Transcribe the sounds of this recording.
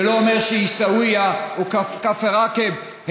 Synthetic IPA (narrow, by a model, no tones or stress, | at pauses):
lo̞omeʁʃehisawijaukkafeʁakeb | h